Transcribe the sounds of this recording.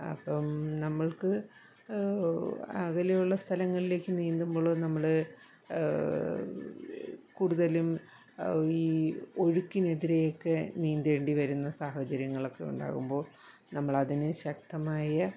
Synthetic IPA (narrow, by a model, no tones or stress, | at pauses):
ɐ̰pːɐmnɐmːɐɭkɨ | a̰ɣɐlɐjuɭːɐst̪ʰɐlɐŋːɐɭile̞ːkʲːɨniːnd̪umboːɭonɐmːɐɭ | kuːɽuðɐlum | iːo̞ɻukːine̞ðiɾejokːeniːnd̪ʋe̞ːɳɖiʋɐɾunːɐsaːhɐt͡ɕɐɾjɐŋːɐɭo̞kːe̞ṵɳɖa̰ːɣumbo̞ːɭ | nɐmːɐɭɐðinɨɕɐk̚t̪ɐmaːjɐ